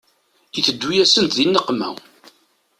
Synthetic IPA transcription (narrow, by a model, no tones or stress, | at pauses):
iθəd̪ːujæsənt̪ðinːəqmæ̰w